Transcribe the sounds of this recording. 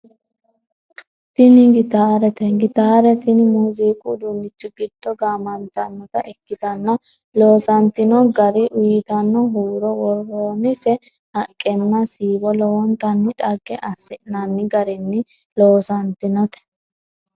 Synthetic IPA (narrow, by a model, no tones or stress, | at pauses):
t̪ɪnɪɡɪt̪aːɾɛt̪ɛɡɪt̪aːɾɛt̪ɪnmuziːkʼud̪ʊnːɪt͡ʃːʊɡɪd̪ːɔɡaːmɐnt̪ɐnːɔt̪ɐʔɛkːɪt̪ɐnːɐ | loːsɐnt̪ɪnɔɡɐɾɪʔʊjɪt̪ɐnːɔɦuːɾɔwɔɾoːnɪsɛ | hɐkʼːɛnːɐsiːbɔlɔwɔnt̪ɐnːɪᶑɐɡːɛʔɐsːɪʔnɐnːɪɡɐɾɪnːɪ | loːsɐnt̪ɪnɔt̪ɛ̥